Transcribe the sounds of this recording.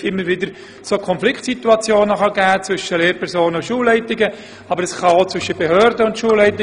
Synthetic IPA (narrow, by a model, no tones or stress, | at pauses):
ɪmːəɾʋɪdəɾ | soːkʰɔnflɪktsit̪uɑt͡sjoːnəχɑɡæːt͡sʋvʏʃəleːɾpʰɛʁɾsoːnənʊnʃuːlːɛɪtɪɡə | ɑbəɾɛsχɑot͡svʏʃəb̥eɦøːɾdəʊntʃuːlːɛɪtɪ